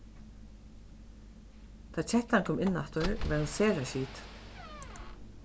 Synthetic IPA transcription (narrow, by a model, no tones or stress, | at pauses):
t̪ʰaːt͡ɕʰɛht̪ankʰɔːmʔɪnːa̰t̪ɔɹʋaɾhansɛːɾaʃiːt̪